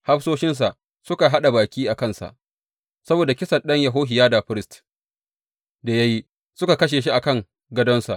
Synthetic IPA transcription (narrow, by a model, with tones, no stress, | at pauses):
ha˦ɸsoː˦ʃɪ˦ns̬a˨ʔ | sʊ˦ka˨ɦa˦ɗa˨baː˨kʲiː˦ʔa˨kɐ˦˨nsa̰˨ʔ | sɐ˦boː˨da˨kʲɪ˦sɐ˨nɗɐ˦ɲja˨ɦoː˦ɦɪ˨jaː˦da˨ɸɪ˦ɾɪ˦st | da˨ja˦ji˦ | sʊ˦ka˨kɐ˦ʃ̬eː˨ʃi˦ʔa˨kɐ˦˨ŋ | ɡɐ˦dɔ˦nsa̰˨ʔ